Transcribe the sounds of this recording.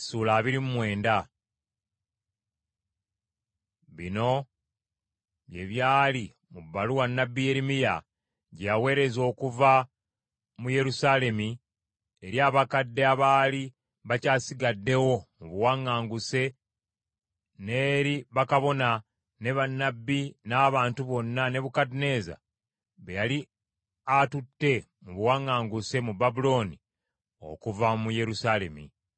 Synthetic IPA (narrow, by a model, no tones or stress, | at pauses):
suːlaːβiɾimumwe̞ːnda | βḭno̞ | βje̞̰βjaːli | mubːaluwanːabːije̞ɾimija | ɟawe̞ːɾe̞zo̞ːkuva | muje̞ɾusaːle̞mi | eɾjaːβakadːe̞aβaːli | βacaːsiɡadːe̞wo̞muβuwaŋːaːŋɡuse̞ | ne̞ːɾiβakaβo̞na | ne̞βanːabːinaːβaːntuβo̞nːane̞βukadine̞ːza̰ | βejali | atutːe̞ | muβuwaŋːaːŋɡuse̞mubabulo̞ni | o̞̰kuvamuje̞ɾusale̞̰mḭ